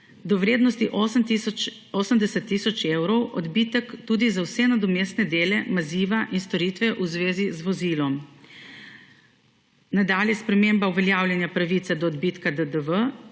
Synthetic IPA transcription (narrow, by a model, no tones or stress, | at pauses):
d̪ɔʋɾeːd̪nɔst̪iʔo | oːsəmd̪ɛsɛt̪ːisɔt͡ʃewɾɔwʔɔ̰d̪bit̪əkt̪uːd̪izawsɛnad̪ɔmeːsnɛd̪eːlɛmaziːʋaʔinst̪ɔɾiːt̪ʋɛʔuzʋeːzizʋɔzilɔm | nad̪aːljɛspɾɛmeːmbauʋɛljaːwlʲjɛnjapɾaʋiːt̪sɛd̪ɔːd̪bit̪kad̪əd̪əʋə